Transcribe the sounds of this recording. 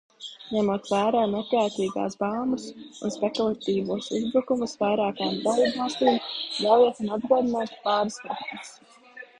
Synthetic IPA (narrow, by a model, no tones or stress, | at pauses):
ɲɛmuɔt̪væːɾaːnekɾaːt̪iːɡa̰ːsbaːmusunspekulˠat̪iːvuɔsuzbɾukumusvajɾaːkaamd̪alˠiːbvɑlˠst̪iːmlaljet̪unad̪̚ɡuɔd̪inaːt̪paːɾskɾak̪mis